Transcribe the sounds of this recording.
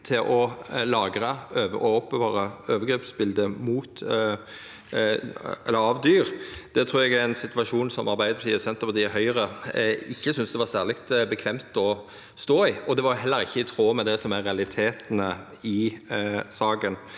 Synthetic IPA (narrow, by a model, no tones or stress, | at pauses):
t̪ʰɪlʔɔlɑːɡɾəøːəɔɔpːəbɑːɾəøːʋəɾɡɾeːpsbɪld̪əmuːt̪ | ɛ̰lːəɾɑʋd̪yːʁd̪̥ɛt̪ʰɾuːɾjɛɡæɾænsɪt̪ʰʋɑʂuːnsɔ̰mʔɑɾbæɪd̪əp̪ʰiːəsɛnt̪əɾpʰɑt̪d̪ɪɦœʏɾəɪçːəsʏnsd̪ɛʋɑɾsæːʁlɪkt̪bəkʰʋɛmt̪ɔ | st̪oːɪɔd̪ɛʋɑɾjʊɦɛlːəɾɪçːəɪt̪ʰʁoːmɛd̪ɛsɔmæɾɾɛɑlɪt̪ʰeːt̪nə | ɪ | sɑːɡən